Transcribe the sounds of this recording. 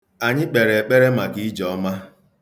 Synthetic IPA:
a˨ɲɪ˦k͡pe˨ɾe˨k͡pe˦ɾe˦ma˨ɡi˦d͡ʒɔ˨˦ma˦

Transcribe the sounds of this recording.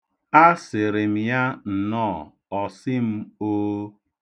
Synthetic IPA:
a˦sɪ˨ɾɪ˨m̩˨ja˦n̩˨nɔː˦˨ | ɔ˨sɪ˦m̩˦o˦

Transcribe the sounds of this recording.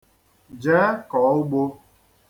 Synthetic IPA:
d͡ʒaː˦kɔ˨˦o˦ɡ͡bo˧

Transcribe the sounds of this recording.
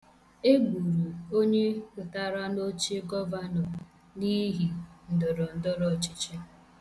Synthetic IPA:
e˦ɡu˨ɾu˨o˦ɲe˦pʊ˨ta˦ɾa˦no˦t͡ʃe˦ɡɔ˦va˦nɔ˨ | ni˦ɦi˨n̩˨dɔ˨ɾɔ˨n̩˦dɔ˦ɾɔ˨t͡ʃi˦t͡ʃe˦

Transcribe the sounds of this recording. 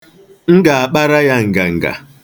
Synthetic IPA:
ŋ̩˦ɡa˨a˨k͡pa˦ɾa˦ja˦ŋ̩˨ɡa˨ŋ̩˨ɡa̰˨

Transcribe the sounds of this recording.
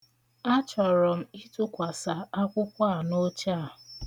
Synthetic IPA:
a˦t͡ʃɔ˨ɾɔ˨m̩˦i˦tʊ˦kʷa˨sa˨a˦kʷʊ˦kʷa˦a˨no˦t͡ʃa˦˨

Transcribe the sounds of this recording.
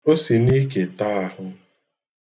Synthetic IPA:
o˦si˨ni˦ke˨ta˦a˦hʊ˦

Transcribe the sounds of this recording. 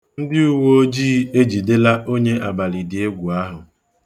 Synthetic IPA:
n̩˦dɪ˦u˦wo˦o˦d͡ʒiː˦e˦d͡ʒi˨de˦la˦ʔo˦ɲe˦ʔa˨ba˨lɪ˨dɪ˨e˦ɡʷu˨a˦ɦʊ˨

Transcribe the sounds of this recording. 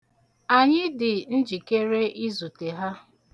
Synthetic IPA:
a˨ɲɪ˦dɪ˨n̩˦d͡ʒi˨ke˦ɾe˦i˦zu˨te˨ɦa˦

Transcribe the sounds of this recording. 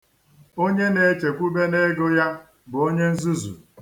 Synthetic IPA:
o˦ɲe˦ne˨t͡ʃe˨kʷu˦be˦ne˦ɡʊ˦ja˦ | bʊ˨o˦ɲe˦n̩˦zu˦zṵ˨

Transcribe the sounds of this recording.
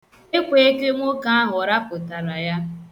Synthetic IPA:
e˦kʷe˨e˦ke˦ŋʷo˦ka˦a˦ɦʊ˨ɾa˦pʊ˨ta˨ɾa˨ja˦

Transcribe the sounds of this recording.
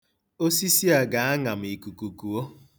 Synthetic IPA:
o˦si˦si˦a˨ɡa˨˦a˦ŋa˨m̩˨i˨ku˨ku˨ku˨o˦

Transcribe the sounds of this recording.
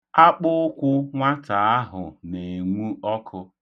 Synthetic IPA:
a˦k͡pʊ˦ʊ˦kʷʊ˦ŋʷa˦ta˨a˦ɦʊ̰˨ne˨ŋʷu˦ɔ˦kʰʊ˦

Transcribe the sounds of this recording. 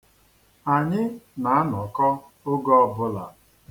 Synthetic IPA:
a˨ɲɪ˦na˨a˦nɔ˨kɔ˦ | o˦ɡɔ˦bʊ˦la̰˨

